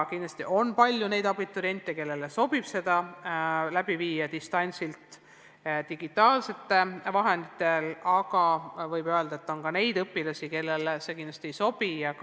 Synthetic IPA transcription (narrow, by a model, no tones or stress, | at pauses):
kind̪lɑ̥st̪iʔo̞npɑlʲjune̞jd̪ɑbit̪ːˑoɾient̪ːˑeke̞lːe̞leso̞b̥ib̥se̞d̪̥ɑ | læb̥iviːjːɑd̪ist̪ɑnʲsilt̪ˑ | t̪iɡ̥it̪ːˑɑːlse̞t̪ːe̞vɑɦe̞nd̪it̪ːˑe̞lɑɡɑvɤjbø̞eld̪̥ɑet̪ːo̞nkɑne̞jd̪ɤpːˑilɑsʲike̞lːe̞lse̞kind̪lɑ̥st̪iejso̞b̥ijɑk